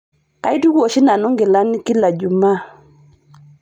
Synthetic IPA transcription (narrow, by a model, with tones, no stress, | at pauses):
ka˨˦jdu˦ko˨ʃi˦na˨nu˦ŋɡɪ˨la˦ni˦ki˦la˨ɟu˨ma˦